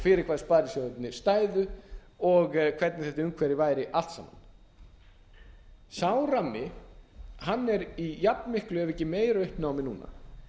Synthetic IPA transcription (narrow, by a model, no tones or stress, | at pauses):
fɪɾɪɾkʰaːðspaːɾɪsjɔʏp̪nɪst̪aːjðʏ | ɔɣkʰv̥ɛɾt̪nɪθɛht̪aʏŋkʰvɛɾɪvaːjɾɪʔal̥t̪sa̰ːmːa̰n | saːwɾamːɪ | hanːɛɾijapnmɪhklʏɛɾvɛcːɪmeːjɾaʏhpnaːwmɪnuːna̰